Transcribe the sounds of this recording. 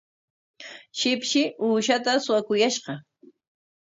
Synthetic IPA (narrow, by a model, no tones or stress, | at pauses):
ʃɪpʃɪuːʃat̪asʊwakʊjaʃɢɑ